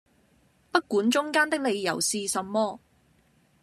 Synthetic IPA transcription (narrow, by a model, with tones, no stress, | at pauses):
pɐ˥t̚kuː˨˥nt͡ʃʊ˥ŋkaː˥nt̪ɪ˥k̚le˨˧jjɐ̰˨˩wsiː˧sɐ˨˧mːɔː˥